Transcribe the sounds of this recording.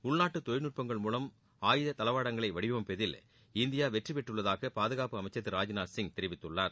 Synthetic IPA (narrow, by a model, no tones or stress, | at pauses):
ʊɭnaːʈːɯt̪ɔjnɯʈ̚pɐŋɡɐɭmuːlɐm | aːjɪðɐt̪ɐlɐʋaːɽɐŋɡɐɭɐɪʋɐɽɪʋɐmpɛðɪl | ɪnd̪ɪjaːʋɛʈripɛʈːɯɭːɐðaːɣɐpaːðɯɣaːpɯɐmɐɪt͡ʃːɐt̪ːɯɾaːd͡ʒnaːsɪŋt̪ɛɾɪʋɪt̪ːɯɭːaːɾ